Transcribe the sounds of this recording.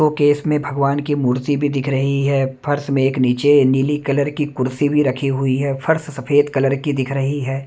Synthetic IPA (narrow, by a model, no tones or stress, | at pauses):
okeːsmẽbʱɐɡʋaːnkimuːɾt̪ibʱid̪ɪkʰɾɐɦiɦɛːpʰɐɾsmẽeːkniːt͡ʃeniːlikɐləɾkikʊɾsibʱiɾɐkʰiɦʊiɦɛːpʰɐɾssɐfʰeːd̪kɐləɾkid̪ɪkʰɾɐɦiɦɛː